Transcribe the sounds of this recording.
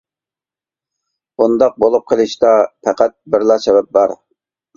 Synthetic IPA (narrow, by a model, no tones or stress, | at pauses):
und̪ɑq̚bolˠup̚qʰəlˠɨʃt̪ɑpʰæqʰæt̪̚bɪɾlˠɑsɛbɛp̚bɑɾ